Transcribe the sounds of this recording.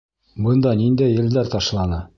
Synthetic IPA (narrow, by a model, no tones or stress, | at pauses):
bɤnd̪ɑnind̪æjːɘ̆ld̪æɾt̪ɑʃlˠɑnɤ